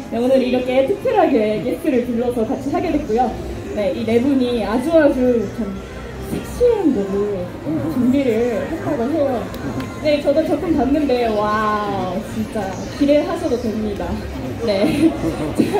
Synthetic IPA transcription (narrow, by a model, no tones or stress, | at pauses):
eonɯniɾʌkʰe̞tʰɯk̚pʰjeɾɦaɡekekʰjɯɾɯɭpuɭːʌsʰʌkat͡ɕʰiɦaɡe̞dwe̞t̚k͈ujo | ne̞ʔine̞buɲiad͡ʑuad͡ʑut͡ɕʰam | sʰek̚ɕʰianbodu | t͡ɕʌŋɡiɾɯɭɭɦet͈aɡoɦejo | ne̞t͡ɕʌdot͡ɕʌk͈ʰɯmpanːɯnbe̞wa | t͡ɕint͡ɕ͈a | kiɾeɦasʰʌdotwemɲida | ne̞